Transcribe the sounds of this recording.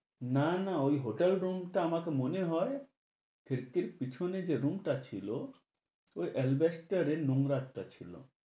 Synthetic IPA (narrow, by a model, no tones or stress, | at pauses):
nanaojɦoʈelɾumʈaːmakemoneɦɔe | kʰiɾkiɾpit͡ɕʰoned͡ʑeɾumʈat͡ɕʰilo | ojʔɛlbesʈəɾenuŋɾat̪ʈat͡ɕʰḭlo̰